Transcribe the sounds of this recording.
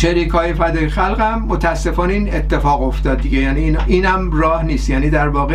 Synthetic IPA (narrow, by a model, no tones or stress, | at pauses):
t͡ʃeɾiːkhɒːjefæd̪ɒːjexælɣæmːot̪ʰææsːe̞fɒːneiːnet̪ʰːe̞fɒːɣo̞ft̪ɒːd̪̚d̪iɟejæːniːnʔiːnhæmmrɒːhniːst̪jæːniːd̪æɾvɒːɣe